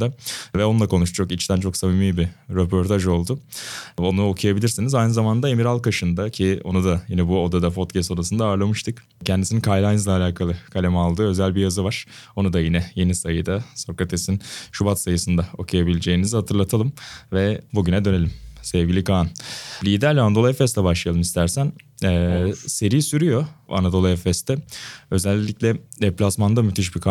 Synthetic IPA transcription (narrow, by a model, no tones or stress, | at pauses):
d̪avɛonulˠakʰo̞nuʃt̪ut͡ʃʰokit͡ʃt̪ʰænt͡ʃʰo̞ksabimiːbiɾepʰo̞ɾt̪ʰaʒo̞lˠd̪uo̞nuokʰujabilʲiɾsinizajnɯzamand̪aemiɾalˠkaʃɯnd̪acʰio̞̰nud̪ajinɛbuo̞d̪ad̪apo̞t̪cʰɛst̪o̞d̪asɯnd̪aːɾlˠamɯʃt̪ʰɯk | cʰɛnd̪isininkʰajlˠajnzlʲˠaːlʲaːkʰalˠɯkʰalʲemɛalˠd̪ɯːø̞zælʲbijazɯvaɾ̥o̞nud̪ajinɛje̞nisajɯd̪aso̞kat̪ʰesinʃubat̪sajɯsɯnd̪ao̞kʰujabilʲed͡ʒe̞jinizihat̪ʰɯɾlˠat̪ʰalˠɯmvɛbuɟynɛd̪ø̞ne̞lʲimsɛvɟʲilʲikʰanlʲiːd̪æɾlʲɛand̪o̞lˠɛfɛst̪lɛbaʃlˠɯjalˠɯmist̪ʰæɾsænɛːse̞ɾijisyɾyjo̞a̰nad̪o̞lˠɛfɛst̪ʰɛø̞zɛlʲːiclʲɛd̪ɛplʲasmand̪amyt̪ʰiʃ̬bikʰ